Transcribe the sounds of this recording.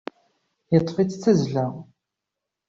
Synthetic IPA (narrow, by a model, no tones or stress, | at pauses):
jət̪ˤːfit͡sːt͡sːæzɮæ